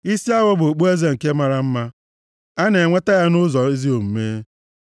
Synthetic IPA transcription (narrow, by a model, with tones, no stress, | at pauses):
i˦si˦a˦wɔ˦bo˨k͡pu˦e˦ze˦ŋ̩˨ke˦ma˦ɾa˨m̩˦ma˦ | a˦ne˨ŋʷe˦ta˦ja˦nʊ˦zɔ˨i˦zi˦o˨m̩˨meː˦